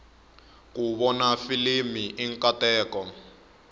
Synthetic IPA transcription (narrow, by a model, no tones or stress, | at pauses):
kuβɔnafilimiʔiŋkatɛːkɔ